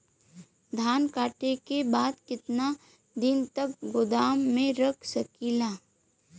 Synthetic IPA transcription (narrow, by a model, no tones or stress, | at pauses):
d̪ʱaːnkaːʈekebaːd̪kɪt̪na | d̪ɪnt̪ɐk̚ɡʊd̪aːmːẽɾɐkʰsɐkiːlaː